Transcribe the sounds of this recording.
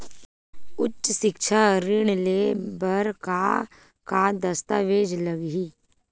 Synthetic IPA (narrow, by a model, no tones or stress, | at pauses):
ʊtːʃsɪkʃʰaɾɪɽ̃lebəɾka | kad̪ɐst̪aʋeːd͡ʒləɡɦiː